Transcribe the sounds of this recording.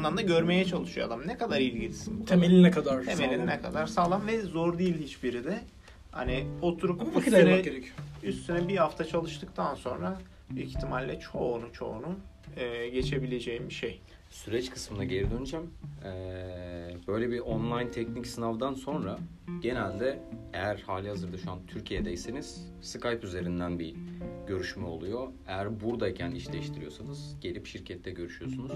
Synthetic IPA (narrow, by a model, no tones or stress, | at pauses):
nˠamd̪aɟø̞ɾme̞jɛt͡ʃʰalˠɯʃujoa̰d̪amnɛkad̪aɾilʲɟilʲisinuemelʲinnɛkʰad̪aɾʰemelʲininɛkʰad̪aɾsaːlˠamvɛzoɾd̪ijlʲhit͡ʃbiɾid̪ɪ | ha̰niot̪ʰuɾupsɛɟeɾecʰyoyst̪synɛbihaft̪ʰat͡ʃʰalˠɯʃt̪ʰɯk̚t̪ʰanso̞̰nɾa | ict̪ʰimalʲːɛt͡ʃʰo̞nut͡ʃʰo̞̰ːnu | ɛːɟe̞t͡ʃʰe̞bilʲe̞d͡ʒejimbiʃej | syɾɛt͡ʃkʰɯ̥smɯnaɟe̞lʲid̪ø̞nyd͡ʒæmɛ | bø̞jlʲebiʔonlˠajnt̪ʰɛcnicsɯnavd̪anso̞nɾa | ɟe̞nælʲd̪ɛejæɾhaːlʲihazɯɾd̪aʃuant̪ʰyɾcʰijed̪ɛjse̞niz̥ | sɯkʰajpyze̞ɾind̪ænbiɟø̞ɾyʃmɛolˠujo̞e̞jæɾbuɾd̪aicʰæniʃlʲɛʃt̪ʰiɾijo̞sanɯz̥ɟ̥e̞lʲipʃiɾcʰɛt̪ʰːɛɟøɾyʃyjo̞sunuz̥